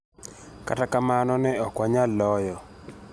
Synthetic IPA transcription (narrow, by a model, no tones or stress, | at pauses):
ka̰takamanɔnɛɔkwaɲalɔjɔ